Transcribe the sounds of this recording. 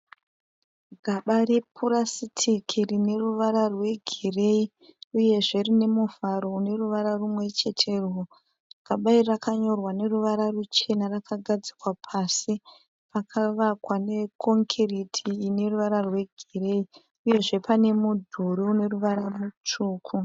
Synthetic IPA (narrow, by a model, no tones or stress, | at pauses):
ɡʱaɓarepʰuɾasitʰikʰirine̞ruʋaɾarwe̞ɡʱire̞i | uje̞ʐe̞rine̞muv̥ʱaɾo̞une̞ruʋaɾarumwe̞t͡ʃe̞tʰe̞rwo | rkaɓairakaɲo̞rwane̞ruʋaɾarut͡ʃe̞narakʰaɡʱad͡zi̥kwapʰasi | pakʰaʋakwane̞kʰo̞ŋkʰeritʰiːne̞ruʋaɾarwe̞ɡʱire̞i | uje̞ʐe̞pane̞mudʱuɾiune̞ruʋaɾarut͡ʂuːkʰu